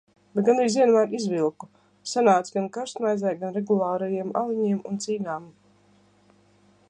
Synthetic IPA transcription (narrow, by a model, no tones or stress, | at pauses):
b̥ɛt̪̚ɡanɾiːziɛnmaːɾizvilˠku | sanaːt̪sʲɡankaɾst̪majzɛjɡanɾeɡulˠaːɾajiɛma̰lˠiɲiɛmunt̪siːnaːm